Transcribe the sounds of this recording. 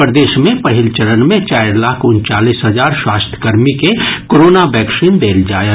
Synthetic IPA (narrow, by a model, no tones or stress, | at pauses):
pɾd̪eːʃmẽpəɦɪlt͡ʃəɾənmẽt͡ʃaːɪɾlaːkʰʊnt͡ʃaːlisɦəd͡ʒaːɾswaːst̪ʰjə̥kəɾmikekoɾoːnabɛːksind̪eːld͡ʒaːe